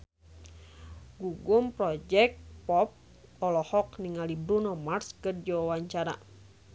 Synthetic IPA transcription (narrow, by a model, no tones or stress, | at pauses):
ɡuɡumpɾɔd͡ʒɛk̚t̪pɔp̚ | ɔlɔhɔkniŋalibɾunɔmarskərd͡ʒawawaɲt͡ʃaɾa̰